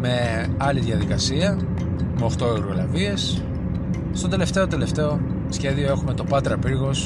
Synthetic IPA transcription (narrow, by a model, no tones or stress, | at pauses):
me̞ | ɐliðʝɐðikɐsiɐ | meoxt̪oeɾɣo̞lɐvie̞s | st̪ot̪e̞le̞ft̪e̞o̞t̪e̞le̞ft̪e̞o̞ | sçe̞ðio̞e̞xume̞t̪o̞pɐt̪ɾɐpiɾɣo̞s